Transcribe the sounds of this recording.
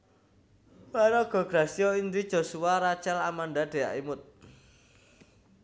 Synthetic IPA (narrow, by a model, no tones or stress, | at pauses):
waɾɔɡ̥ɔ̤ɡ̥ɾasiɔind̪id̥ʒ̥o̤suwaɾat͡ʃalamand̪ad̪̥e̤a̰ʔimʊt̪̚